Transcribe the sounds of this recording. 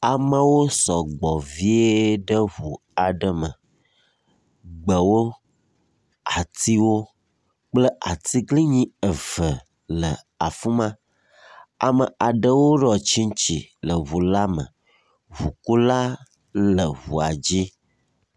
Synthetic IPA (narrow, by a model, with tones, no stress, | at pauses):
a˨mə˦wo˦sɔ˨ɡ͡bɔ˨vi˦e˦ɖə˦βu˨ | a˨ɖə˨mə̰˨ | ɡ͡bə˨wo˦ | a˨t̪i˦wo˦ | k͡plə˦ʔa˨t̪i˦ɡli˦ɲĩ˦ə˨və˨ | lə˨ | a˨fu˦mã˦ | a̰˨mə˨a˨ɖə˦wo˦ɖɔ˨t͡ɕi˦ŋ˦t͡ɕḭ˨lə˨vu˨la˦mə̰̃˨ | vu˨ku˦la˦ | lə˨βṵ˨a˨d͡ʑi˦